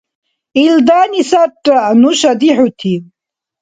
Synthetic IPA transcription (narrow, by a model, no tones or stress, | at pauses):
ild̪aːnisaʈʼːanuʃɐd̪iħut̪ʰi